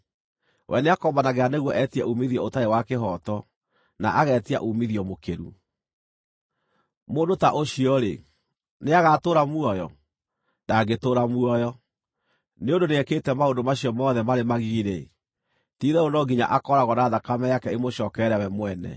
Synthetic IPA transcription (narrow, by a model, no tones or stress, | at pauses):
wʔɛ̰neakɔmbanaɣeaneɣwɔʔɛtiɛ̰ʔumiðiɔotaewakeɦɔtɔ | naʔaɣɛtia̰ʔumiðiɔmokeɾṵ | moːndotaʔoɕiɔɾḛ | neaɣatoːɾamuɔjɔ | daɡetoːɾamuɔjɔ | neondoneɛketɛmaondomaɕiɔmɔːðɛmaɾemaɣiɾe | tiːðɛonɔɡiɲa̰ʔakɔɾaɣɔnaðakamɛjakɛemoɕɔːkɛɾɛwɛmwɛnɛ̰